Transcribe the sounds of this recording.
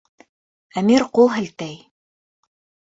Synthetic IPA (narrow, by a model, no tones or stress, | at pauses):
æmiɾqulˠɦɘ̆lt̪æj